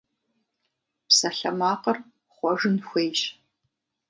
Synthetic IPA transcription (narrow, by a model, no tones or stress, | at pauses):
psɐɬɐmaːqɐr | χʷɔʐɨnxʷejʒ